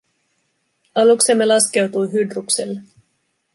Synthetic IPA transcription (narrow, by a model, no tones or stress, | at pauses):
ɑlukse̞mːe̞lɑske̞wt̪ujɦydrukselːe